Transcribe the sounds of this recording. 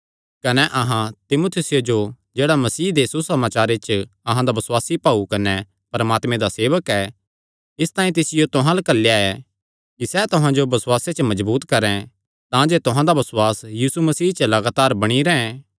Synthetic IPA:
kɐnɛʔɐɦãt̪ɪmoːt̪ʰɪsɪjod͡ʒo | d͡ʒeːɽamɐsiːd̪esusɐmaːt͡ʃaːɾet͡ʃɐɦãd̪abɐswaːsipaːukɐnɛ | pɐɾɐmaːt̪mẽd̪aseːʋəkɛ | ɪst̪ãːĩt̪ɪsɪjot̪ʊɦãlɐkɐlːjaɛ | kisɛt̪ʊɦãd͡ʒobɐswaːset͡ʃəmɐd͡ʒbuːt̪kɐɾɛ̃ | t̪ãd͡ʒeːt̪ʊɦãd̪abɐswaːsjiːsumɐsiːt͡ʃəlɐɡaːt̪aːɾbɐɽ̃iɾɛɛ̃

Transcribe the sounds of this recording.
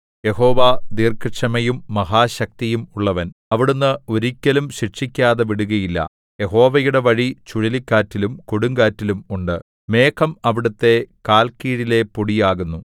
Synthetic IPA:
je̞ho̞ːʋaːd̪iːrkɐʂɐmɐjumːɐɦaːɕɐk̚t̪ijumuɭːɐʋɐnɐʋiɽunːɨoɾikʲːɐlumɕiʂikʲːaːðeʋiɽuɣɐjilːɐ̰ | je̞ho̞ːʋɐjuɽe̞ʋɐɻit͡ɕuɻilikʲːaːtːilumkoɽuŋɡaːtːilumuɳɖɨ | me̞ːkʰɐmɐʋiɽut̪ːe̞kaːlkiːɻile̞puɽijaːɣunːu

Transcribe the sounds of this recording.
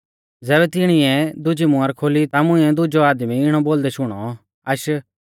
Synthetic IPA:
d͡zɛːbɛt̪ɪɽ̃ɪɛ̃d̪ʊd͡ʒimʊ̃ɐɾkʰoːlit̪amʊ̃ĩɛ̃d̪ʊd͡ʒɔaːd̪miɪɽ̃ɔboːld̪ɛʃʊɽ̃ɔ̰ | ɐʃ

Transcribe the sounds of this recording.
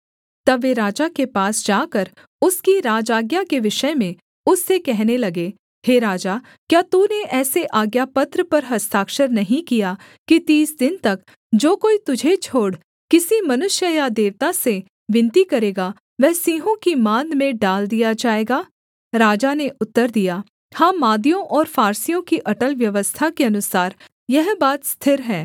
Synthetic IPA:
t̪ɐbʋeɾaːd͡ʒakepaːsd͡ʒaːkɐɾ | ʊskiɾaːd͡ʒaːɡjakeʋɪʃəmẽ | ʊsːekɛɦnelɐɡe | ɦeːɾaːd͡ʒaː | kjaːt̪uneʔɛːseʔaːɡjapɐt̪ɾəpɐɾɦɐst̪ʰaːkʃəɾnɐɦĩkija | kit̪iːsd̪ɪnt̪ɐk | d͡ʒoːkoːit̪ʊd͡ʒʱet͡ʃʰoːɽ | kɪsimɐnʊʃjəjad̪eːʋt̪ase | ʋɪ̃nt̪ikɐɾeːɡa | ʋɛɦsiːɦõkimãːnmẽɖaːld̪ijad͡ʒaːeːɡaː | ɾaːd͡ʒaneʔʊt̪ːəɾd̪ija | hãːmaːd̪ijõʔɔːɾfaːɾsijõkiʔɐʈəlʋjɐʋəst̪ʰakeɐnʊsaːɾ | jɐɦbaːt̪st̪ʰɪɾɦɛː

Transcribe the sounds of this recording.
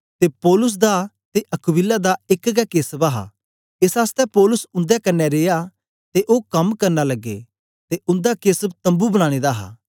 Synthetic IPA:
t̪epɔːlʊs̬d̪a | t̪eʔɐkʊwɪlad̪aɪkɡɛkeːsbaɦa̰ | ɪsaːst̪ɛpɔːlʊsʊ̃nd̪ɛkɐnːɛɾeːja | t̪eʔoːkɐmkɐɾnalɐɡːḛː | t̪eʊ̃nd̪akeːsəbt̪ɐ̃mbubəɽ̃ãːɽ̃ed̪aɦa̰ː

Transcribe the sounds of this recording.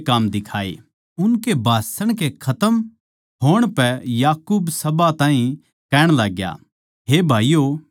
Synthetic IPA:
kamd̪ɪkʰaːḛ | ʊnkebʱaːsəɽ̃k̬ekʰɐt̪əm | ɦoːɽ̃pɛjaːkuːbsɐbat̪ãːɦĩ | kɛːɽ̃laːɡja̰ | ɦeːbʱaːijoː

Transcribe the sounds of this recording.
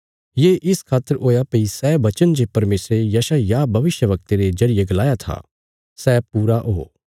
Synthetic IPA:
jeːʔɪskʰaːt̪ːəɾoːjapɐisɛːʋɐt͡ʃənd͡ʒeːpɐɾmeːsɾejɐːʃajabʱɐʋɪʃjəʋɐk̚t̪eɾezɐɾɪjeɡɐlaːjat̪ʰa̰ː | sɛːpuːɾaʔɦoː

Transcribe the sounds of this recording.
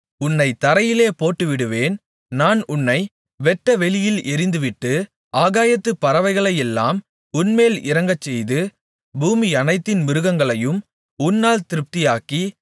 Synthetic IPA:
ʊnːɐɪt̪ɐɾɐjɪleːpoːʈːɯʋɪɽɯʋeːn | naːnʊnːɐɪ | ʋɛʈːɐʋɛɭɪjɪlɛɾɪnd̪ɯʋɪʈːɯ | ʔaːɣaːjɐt̪ːɯpːɐɾɐʋɐɪɣɐɭɐjɛlːaːm | ʊnmeːlɪɾɐŋɡɐt͡ʃːɛjðɯ | buːmiɐnɐɪt̪ːɪnmɪɾɯɣɐŋɡɐɭɐjɯm | ʊnːaːlt̪ɪɾɯp̚t̪ɪjaːki

